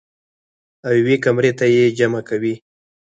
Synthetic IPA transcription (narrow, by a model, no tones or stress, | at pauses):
awjwekamɾet̪ajed͡ʒamakawi